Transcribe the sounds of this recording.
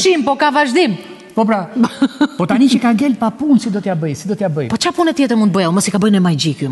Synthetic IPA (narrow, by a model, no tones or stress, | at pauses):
ʃimpɔkavaʒd̪im | pɔp̬ɾa | pɔt̪anit͡ʃɛkaŋɡɛlpapunsid̪ɔt̪jabəjsid̪ɔt̪jabəjpɔt͡ʃapunɛt̪jɛt̪əɾmũnt̪bəjɛlˠməsikabəjnɛmajd͡ʑiku